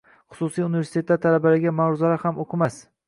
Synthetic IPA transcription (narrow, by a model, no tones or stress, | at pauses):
χʊ̥sʊsijunɪvesɪt̪ʰe̞t̪ːaɾt̪ʰalabalɪɡʲamaɾʊzalaɾhamoqʰɨmas